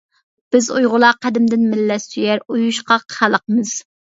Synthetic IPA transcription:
b̥ɪzujʁʊlˠɑqʰæd̪ɪmd̪ɪnmɪlːɛsyjæɾujuʃqɑχælˠəqmɨz̥

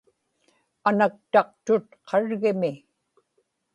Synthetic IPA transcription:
anak̚t̪ɑq̚t̪ʊt̪̚qʰɑɻɣɪmɪ

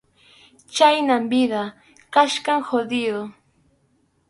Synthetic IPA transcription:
t͡ʃajnambɪða | kaʃkaŋxod̪ɪjo

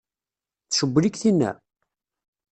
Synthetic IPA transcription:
θʃəbːlikθinːæ̰

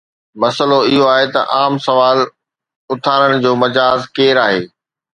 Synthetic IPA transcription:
mɐsəloɪɦoaːɦet̪ɐ̰ʔaːmsɐʋaːl | ʊt̪ʰaːɾəɽ̃ɪ̆d͡ʑoːmɐd͡ʑaːzkeːɾaːɦeː

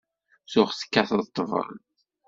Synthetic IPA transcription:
sʊχθə̥kːaθðˤt̪ˤːəvə̰ɾ̰ˤ

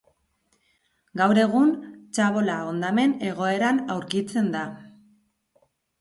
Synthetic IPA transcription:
ɡawɾe̞ɣunt͡ʃaβo̞lao̞nd̪ame̞ne̞ɣ̞o̞e̞ɾanawɾkit͡se̞nd̪a

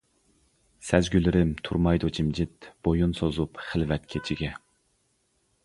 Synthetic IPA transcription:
sɛzɡʲylɪɾɪmt̪ʰuɾmɑjd̪ut͡ʃʰimd͡ʒɪt̪b̥ojunsozupχɪlvɛt̪̚kʲʰet͡ʃʰiɡʲɛ

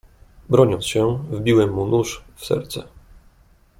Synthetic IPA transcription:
bɾɔɲɔnt̪sɕɛvbʲiwɛmːunuʂfsɛ̰ɾt̪sɛ

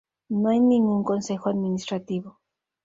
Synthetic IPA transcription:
najniŋʊŋkonsexoad̪minist̪ɾat̪iβo

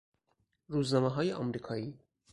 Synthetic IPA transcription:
ɾuːznɒːmeɦɒːjeʔɒːmɾiːkʰɒːiː

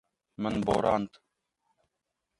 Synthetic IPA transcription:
mənbo̰ːɾʔaːnt̪ʰ

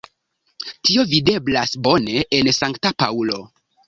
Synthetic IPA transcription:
tio̞vide̞blasbo̞ne̞ʔensaŋktapaulo̞

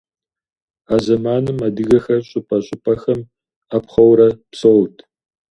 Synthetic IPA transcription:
aːzɐmaːnɨmadɨɣɐxɐrɕʼʊpʰʼɐɕʼʊpʰʼɐxɐm | apχɐwɾɐpsowtʰ

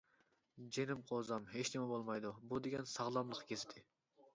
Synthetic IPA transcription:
d͡ʒenɪmqʰozɑmɦet͡ʃnɪmɛbolˠmɑjd̪ubud̪eɡʲɛnsɑʁlˠɑmlˠəqʰkʲʰest̪ʰɪ

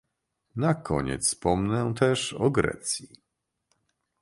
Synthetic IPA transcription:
nakʰɔɲɛ̰t̪sspɔmnɛt̪ɛʂɔɡɾɛ̰t̪sʲji

